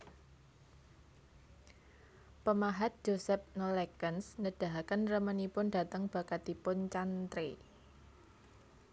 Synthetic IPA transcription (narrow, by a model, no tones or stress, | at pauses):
pəmaɦat̪̚d͡ʒ̥osɛp̚nolɛkənsnəd̥a̤ɦakənrəmənipʊnda̤t̪əŋb̥a̤kat̪ipʊnt͡ʃant̪ɾe